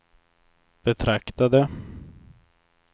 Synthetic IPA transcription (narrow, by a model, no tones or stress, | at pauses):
b̥ɛt̪ʰɾakt̪ad̪ə